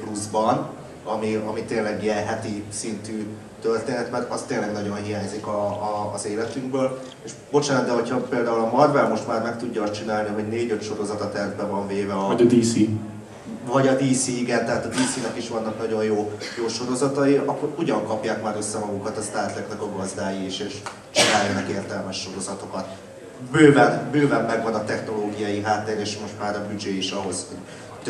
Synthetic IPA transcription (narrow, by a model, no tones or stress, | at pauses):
pluzbɒn | ɒmiɒmit̪eːnlːɛɡijɛnɦɛt̪isint̪yː | t̪ørt̪eːnɛt̪mɛrt̪ɒst̪ːeːlɛɡnɒɟo̞nɦijaːɲzikɒːzeːlɛt̪yŋɡbøːl | eʃbo̞t͡ʃaːnɔd̪d̪ɛɦo̞chɒpeːld̪aːulɒmɒd̪vɛlmo̞ʃt̪maːrmɛkt̪uɟːɒːst̪t͡ʃinaːlniɦo̞ɟneːɟøt̪ʃo̞ɾo̞zɒt̪ɒt̪ɛrvbɛvɒɱveːvɛɒd̪iːsi | vɒɟɒd̪iːsiiɡɛnt̪ɛɦaːt̪ɒd̪iːsinɛkiʃʋɒnːɒknɒɟo̞jjoːjoːʃo̞ɾo̞zɒt̪ɒiɒkːo̞ɾuɟɒŋkɒpjaːkmaːɾø̞sːɛmɒɡukɒt̪ɒst̪aːrt̪lɛknɛkɒɡɒzd̪aːjiiʃeːʃ | t͡ʃinaːjɒnɒkeːrt̪ɛlmɛʃːo̞ɾo̞zɒt̪o̞kɒt̪ | bøːvɛnbøːvɛmːɛɡvɒnɒt̪ɛxno̞loːɡijɒjiɦaːt̪ːeɾeːʃmo̞ʃt̪maːɾɒbyd͡ʒeːiʃɒɦo̞sho̞ɟ | t̪